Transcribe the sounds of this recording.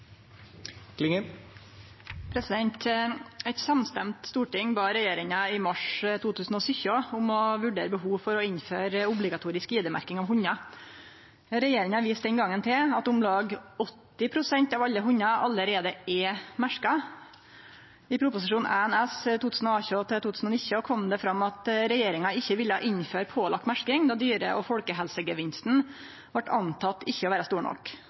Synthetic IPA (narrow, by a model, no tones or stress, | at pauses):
klɪŋ | pʰɾɛsɪd̪ɛnt̪ɛt̪sɑmst̪ɛmt̪st̪uːʈɪŋbɑːɾɛjeːɾɪŋɑɪmɑʂt̪ʰuːt̪ʰʉːsn̩ɔsʏçəʊmɔʋʉɖḛːɾəbəɦuːʋfɔɾɔɪnføːɾʊblɪɡɑt̪ʰuːɾɪskʋiːd̪əmæ̰ɾkɪŋɑːʋɦʊɲːɑ | ɾɛjeːɾɪŋɑʋiːst̪d̪ɛnɡɑŋənt̪ʰɪlɑt̪ʊmlɑːɡɔt̪ːɪpʰɾʊsɛnt̪ɑːʋɑʎːəɦʊɲːɑʔɑləɾeːd̪əɛmæʂkɑ | ɪpʰɾʊpʊsɪʂuːnʔæɛnɛst̪uːt̪ʰʉːsn̩ɔɑːçʉɑt̪ɛt̪ʰuːt̪ʉːsn̩ɔnɪçəɔkʰɔmd̪ɛfɾɑmːɑt̪ɾɛjeːɾɪŋɑɪçːəʋɪlːəhɑ̰ʔɪnføːɾpʰoːlɑk̚t̪mæʂkɪŋd̪ɑːd̪yːɾə̰ʔɔfɔlkəɦɛlsəɡəʋɪnst̪n̩ | ʋɑʈːɑ̰nt̪ʰɑt̪ːɪçːəɔʋæːɾɑst̪uːɳɔ̰k